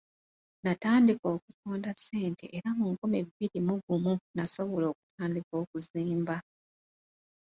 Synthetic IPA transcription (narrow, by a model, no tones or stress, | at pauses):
nataːndiko̞ːkutoːndasːe̞ːnte̞̰ʔeɾamuːŋkumiββiɾimuɡumunaso̞βolo̞ːku̥tʰaːndiko̞ːkuziːmba